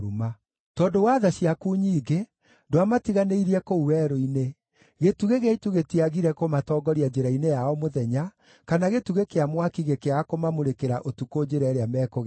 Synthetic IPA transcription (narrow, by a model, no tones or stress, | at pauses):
uma | tɔːdowaːðaɕiakuːɲiːɡe | doamatiɣaneiɾiɛkouwɛːɾoine | ɣetuɣeɣeaituɣetiaɣiɾɛkomatɔːɡɔɾiad͡ʑeɾainejaɔmoðɛɲa | kanaɣetuɣekeamwakiɣekeaakomamoɾekeɾaʔotukod͡ʑeɾɛɾeamɛːkoɣ